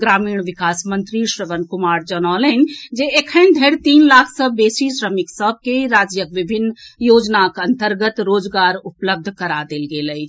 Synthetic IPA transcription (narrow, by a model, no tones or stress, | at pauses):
ɡɾaːmiːɳʋikaːsmənt̪ɾiʃɾəʋənkumaːɾd͡ʒənaːlənd͡ʒeekʰənd̪ʱeɽt̪iːnlaːkʰsəbeːsisɾəmiksəb̚ʱkeɾaːd͡ʒjəkʋibʱinːjoːd͡ʒnakənt̪əɾɡət̪ɾoːd͡ʒɡaːɾupləb̚d̪ʱkəɾad̪elɡeləj